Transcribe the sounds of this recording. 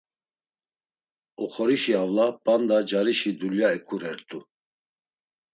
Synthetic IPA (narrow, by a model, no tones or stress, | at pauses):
ɔχɔɾiʃiavlapand̪ad͡ʒaɾiʃid̪uljaɛkʼuɾɛɾt̪ʼu